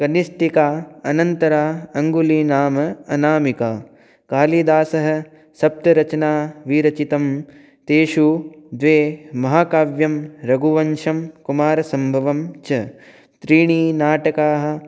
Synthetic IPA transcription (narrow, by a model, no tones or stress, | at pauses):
kɐnisʈikaːɐnɐnt̪ɐɾaːɐŋɡulinaːmɐɐnaːmikaː | kaːliːd̪aːsɐɦɐ̆ | sɐp̚t̪ɐɾɐt͡ʃɐnaːʋiːɾɐt͡ʃit̪ɐm | t̪eːʃud̪ʋeːmɐɦaːkaːʋjɐmɾɐɡuʋɐnʃɐmkumaːɾɐsɐmbʱɐʋɐmt͡ʃɐ | t̪ɾiːɳiːnaːʈɐkaːɦɐ̆